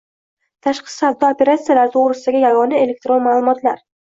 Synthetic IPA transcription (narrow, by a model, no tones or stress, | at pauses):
t̪ʰaʃqɨ̥sabd̪ɒope̞ɾat̪sijalaɾɪt̪ʰoʁɾɪsɪd̪aɡʲɪjaɡɒnae̞le̞k̚t̪ɾonmaːlˠʊmɒt̪laɾ